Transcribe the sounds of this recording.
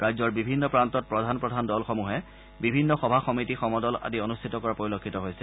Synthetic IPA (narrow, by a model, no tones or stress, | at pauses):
ɹajzɔɹbibʱinːɔpɹantɔt̚pɹɔdʱanpɹɔdʱandɔlxɔmuɦɛ | bibʱinːɔxɔbʱaxɔmitixɔmɔdɔla̰dionustʰitɔkɔɹapoɹilokʰːitɔɦojsɛ